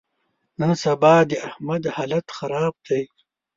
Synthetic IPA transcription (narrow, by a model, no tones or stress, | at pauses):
nansɐbaːd̪iahmɐd̪haːlɐt̪xaɾaːb̚d̪ej